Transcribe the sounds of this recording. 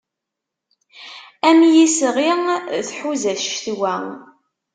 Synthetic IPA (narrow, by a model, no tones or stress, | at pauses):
æmjisʁiθħuzæθʃθwæ